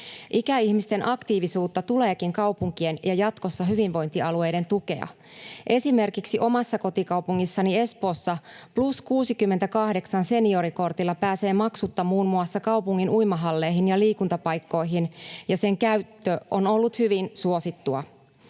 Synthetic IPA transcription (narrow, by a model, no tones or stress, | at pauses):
ʔikæiçmist̪e̞nʔɑkt̪iːʋisuːt̪ːɑt̪ule̞ːkiŋkɑwpuŋkie̞njɑjɑt̪ko̞sːɑɦyʋinʋo̞jnt̪iɑlue̞jde̞nt̪uke̞̰ɑ̰ | ʔe̞sime̞rkiksiʔo̞mɑsːɑko̞t̪ikɑwpuŋːisːɑnie̞spo̞ːsːɑpluskuːsikymːet̪ækɑhde̞ksɑnse̞nio̞ɾiko̞rt̪ilːɑpæːse̞ːmɑksut̪ːɑmuːnmuɑsːɑkɑuwpuŋːinʔujmɑɦɑlːe̞jɦinjɑliːkunt̪ɑpɑjkːo̞jɦinjɑse̞ŋkæyt̪ːøono̞lːut̪hyʋinsuo̞sit̪ːuɑ